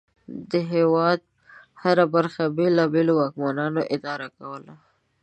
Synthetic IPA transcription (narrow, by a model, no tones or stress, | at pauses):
d̪əɦewɑd̪̚ | haɾabaɾxabelɑbelowɑkmanɑnoʔɪd̪ɑɾakawəla